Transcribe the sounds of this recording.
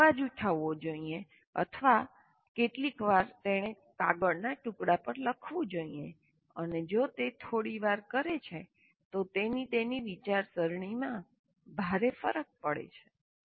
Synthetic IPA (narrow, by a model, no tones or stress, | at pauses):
ad͡ʒuʈ̪ʰaʋːod͡ʒoie | ə̰t̪ʰʋa | keʈlikʋaɾt̪eɽ̃e | kaɡəɽnaʈũkɽapəɾləkʰʋũd͡ʒoie | əned͡ʒot̪et̪ʰoɽiʋaɾkəɾet͡ʃʰe | t̪ot̪enit̪eniʋit͡ʃaɾsəɾɳ̃imã | bʱaɾefə̰ɾək̚pəɽḛt͡ʃʰe̥